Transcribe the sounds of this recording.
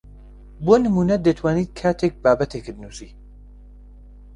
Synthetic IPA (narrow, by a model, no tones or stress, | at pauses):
boːnɨmuːnɐd̪ət̪ʰwaːniːt̪̚kʰaːt̪ʰek̚baːbɐt̪ʰekɨd̪nusiː